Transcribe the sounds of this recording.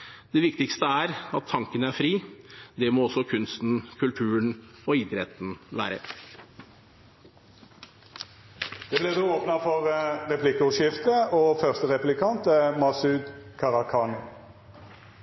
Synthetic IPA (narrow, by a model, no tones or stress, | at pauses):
d̪̥ɛʋɪkt̪ɪkst̪əæɾɑt̪ʰːɑŋkənəæɾfɾiːd̪ɛmoːɔsːɔkʰʉnst̪n̩kʰʉlt̪ʰʉːənɔɪd̪ɾɛt̪n̩ʋæ̰ːɾə | d̪̥ɛːbleːd̪eːoːpnɑfɔʁʁɛpʰlɪkʊʃɪft̪əoːfœʁst̪əʁɛplɪkʰɑnt̪ɛmɑsʉːd̪kʰɑʁɑkʰɑːnʊ